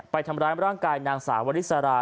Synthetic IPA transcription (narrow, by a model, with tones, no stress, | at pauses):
pa˧jt̪ʰa˧mɾaː˧˥jɾaː˥˩ŋkaː˧jnaː˧ŋsaː˩˦wa˧ɾi˦˥t̪̚sa˧ɾaː˧